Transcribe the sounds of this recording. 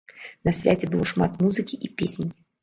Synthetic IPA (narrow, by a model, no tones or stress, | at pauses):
nɐsvʲazʲɪbɨlˠoʂmat̪muzɨkʲiʔipʲesʲɪnʲ